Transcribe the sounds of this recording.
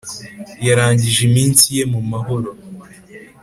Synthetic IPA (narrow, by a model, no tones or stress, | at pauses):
jaɾaːɲɟiʒemiːnsije̞mumaɦo̞ɾo̞